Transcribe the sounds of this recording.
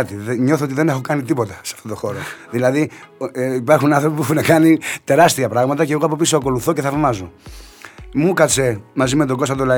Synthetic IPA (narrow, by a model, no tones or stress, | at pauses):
t̪iðɲo̞θoo̞t̪iðe̞ne̞xokɐnit̪ipo̞t̪ɐseɐft̪o̞t̪o̞xo̞ɾoðilɐði | ipɐɾxunɐnθɾopipuepxunɐkɐnit̪e̞ɾɐst̪iɐpɾɐɣmɐt̪ɐceɣoɐpo̞p̬isoɐko̞luθo̞ceθɐvmɐzo̞ | mukɐse̞mɐzime̞t̪oɡo̞st̪ɐt̪olɐ